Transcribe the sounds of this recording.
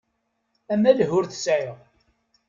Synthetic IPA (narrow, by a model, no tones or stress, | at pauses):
æmælɦʊɾθsʕɪʁ